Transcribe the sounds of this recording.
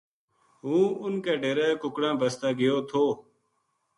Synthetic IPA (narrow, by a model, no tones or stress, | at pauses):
ɦũːʊnkeːɖeːɾeːkʊkɽãːbəst̪aːɡɪjoːt̪ʰoː